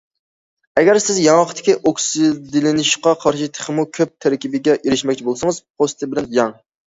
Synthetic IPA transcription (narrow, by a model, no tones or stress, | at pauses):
ɛɡʲɛɾsɪzjɑŋɑqʰt̪ʰɪ̥kʲiʔoksɪd̪ɪlɪnɪʃqɑqʰɑɾʃit̪ʰe̥χɪmukʲʰøp̚t̪ʰæɾkʲibɪɡʲɛʔeɾɪʃmɛkʲt͡ʃʰibolˠsɨŋəz̥pʰost̪ʰɪbɪlɛnjɑŋ